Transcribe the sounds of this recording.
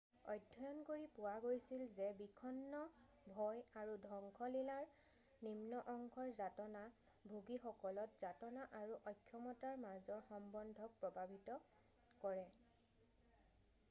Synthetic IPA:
ɔjdʱɔjɔnkoɹipʊwaɡojsilzɛbikʰɔnːɔ | bʱɔjaɹudʱɔŋkʰɔlilaɹ | nimnɔʔɔŋkʰɔɹzatɔna | bʱuɡixɔkɔlɔtz̥atɔnaʔaɹuʔɔjkʰjɔmɔtaɹmazɔɹxɔmbɔndʱɔk̚pɹɔbʱabʱitɔ | kɔɹɛ

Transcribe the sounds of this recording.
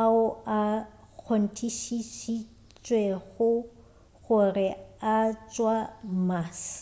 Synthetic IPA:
aʊa | k͡xʰon̩tʰiʃiʃi | t͡ʃʼweɣʊ | ɣʊrɪat͡ʃʼwamaːs

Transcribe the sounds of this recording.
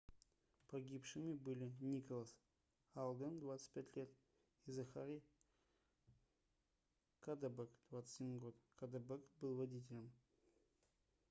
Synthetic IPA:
pʰɐɡʲipʂɨmʲibɨlʲinʲikolˠas | alˠd̪əmd̪vat̪sɨ̥t̪̚ʲpʲætʲlʲe̞t̪ | izaχa̰ɾʲi | kʰad̪abekd̪̥vat̪sə̥jimɨɡot̪kʰad̪abəkbɨlˠvɐdʲit̬ʲɪlʲɪm

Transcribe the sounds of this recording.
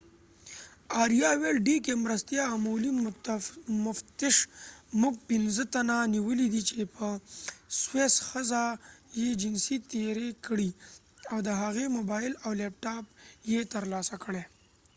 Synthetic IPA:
ɑɾijɑwelɖikemɾəst̪jɑmuli | mʊft̪ɪʃmuɡ̚pɪnzət̪ananiwəlid̪it͡ʃepəswesxəzajed͡ʒɪnsit̪eɾekəɽi | awd̪əɦaɣemobɑɪlawlep̚ʈɑp̚jet̪əɾlɑsakəɽe

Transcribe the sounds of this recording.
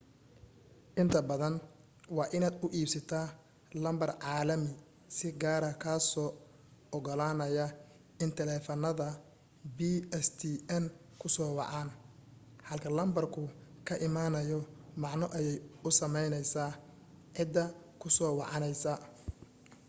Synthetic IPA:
ʔɪnt̪ʰɐbɐðɐn | wɑːʔɪnaːd̪ʊʔiːbsɐt̪ʰaː | lɐmbɐrʕɑːlɐmɪ | sɪɡaːɾɐkʰaːsɔː | ɔɡɔlaːnɐjɐ | ɪnt̪ʰɛlɛːfɐnɐðɐ | biːɛst̪ʰiɛn | kʰʊsɔːwɑ̰ʕɑːn | ħɐlkʰɐlɐmbɐrkʰʊkʰɐʔɪmaːnɐjɔmɑʕnɔʔɐjɛjʊsɐmɛjnɛjsaː | ʕɪd̪ːɐ | kʰʊsɔːwɑʕɑnɛjsɐ

